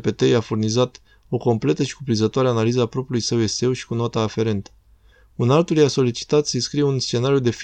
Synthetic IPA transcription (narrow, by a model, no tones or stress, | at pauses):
pe̞t̪ejafurnizat̪ | o̞ko̞mple̞t̪əʃi̥kupɾinzət̪oaɾeanalizəapɾo̞pɾulujsəwe̞se̞wʃi̥kuno̞t̪aːfe̞ɾe̞nt̪ə̥ | unalt̪uljaso̞lit͡ʃi̥t̪at̪sinskɾijeunst͡ʃe̞naɾijud̪e̞f